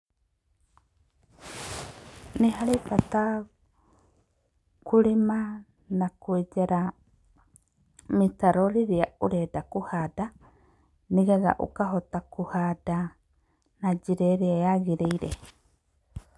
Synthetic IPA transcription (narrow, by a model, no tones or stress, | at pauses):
neɦaɾepata | kuɾema | nakued͡ʒaɾa | mitaɾɔɾiɾiauɾɛdakuhada | niɡaɡa̰ʔṵkaɦotakuhada | nad͡ʒiɾɛɾeaeaɡiɾejɾḛ